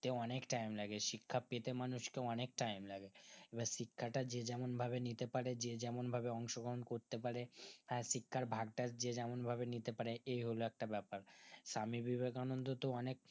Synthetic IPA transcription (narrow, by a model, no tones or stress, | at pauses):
t̪eɔnekʈajmlaɡeʃikʰːapet̪emanuʃkeɔnek̚ʈajmlaɡeebaʃikʰːaʈad͡ʑed͡ʑɛmonbʱabenit̪epaɾed͡ʑed͡ʑɛmonbʱabeɔŋʃoɡoɦonkoɾt̪epaɾehɛ̃ʃikʰːaɾbʱaɡʈad͡ʑed͡ʑɛmonbʱabenit̪epaɾeʔejɦoloɛk̚ʈabɛpaɾʃamibibʱekanond̪ot̪oɔnek̚